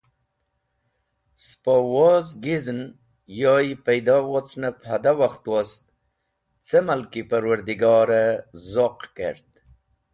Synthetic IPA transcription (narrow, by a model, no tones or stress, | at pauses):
spawozɡizn | jɑjpajd̪ɑwot͡snaphad̪awaxt̪wast̪̚ | t͡semalkipaɾwaɾd̪iɡɑːɾazoqkḛɾt̪